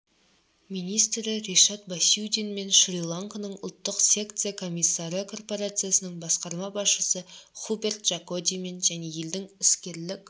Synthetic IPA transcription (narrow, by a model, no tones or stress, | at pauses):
mijnijst̪ɾɪɾeʃɑt̪̚basʲuwd̪enme̞nʃrʲilˠaŋkonəɴʊlˠt̪ːəqsʲe̞kt̪sɨjakʰo̞mʲijsːɑɾəkʰo̞rpo̞ɾat̪sɨjasənəɴbɑsqɑɾmɑbɑsʃəsəχubʲe̞rt̪ʒ̥ako̞d̪ʲijme̞nʒæne̞je̞ld̪ɪŋʏskʲe̞ɾlɪkʲ